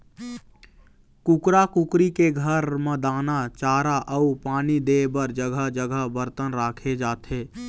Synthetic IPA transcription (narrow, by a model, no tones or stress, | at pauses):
kʊkɾakʊkɾikeɡʱəɾmə̃d̪aːnat͡ʃaːɾaʔəupaːnid̪eːbəɾd͡ʒəɡʱəɦd͡ʒəɡʱəɦbəɾt̪ənɾaːkʰed͡ʒaːt̪ɦeː